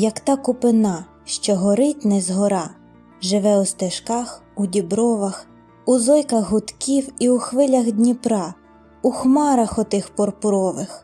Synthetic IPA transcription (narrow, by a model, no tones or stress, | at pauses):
jɐkt̪ɑkʊpɪnɑ | ʃt͡ʃɔɦɔɾɪtʲnɛzɦɔɾɑ | ʒɪʋɛust̪ɪʃkɑxudʲibɾɔʋɐx | uzɔjkɐɣɦʊt̪kʲiwiuxʋɪlʲɐɣdʲnʲipɾɑ | uxmɑɾɐxɔt̪ɪxpɔrpʊɾɔʋɪx